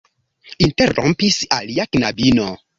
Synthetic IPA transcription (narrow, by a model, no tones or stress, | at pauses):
inteɾõ̰mpisaliaknabino